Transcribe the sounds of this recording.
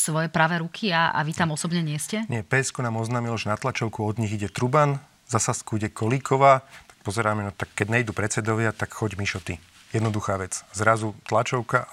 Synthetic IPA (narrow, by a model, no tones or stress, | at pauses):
sʋɔjɛpɾaːʋɛɾukʰiaa̰ʋit̪amɔsɔbɲɛɲɪɛscɛɲɪɛpɛːskɔnaːmɔznaːmilɔʒɛnat̪lat͡ʃɔʊkuɔd̪ɲiɣiɟɛt̪ɾuban | zasaskuiɟɛkʰɔliːkʰɔʋaːt̪ḁkpɔzɛɾaːmɛnɔt̪akːɛɟɲɛjd̪uːpɾɛt͡sɛd̪ɔʋɪat̪akxɔɟmiʃɔt̪i | jɛd̪nɔd̪uxaːʋɛt͡szɾazut̪lat͡ʃɔʊka